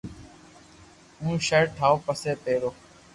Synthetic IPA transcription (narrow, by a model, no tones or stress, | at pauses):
ũːʃəʈʰaːoːpəseːt̪eːɽoː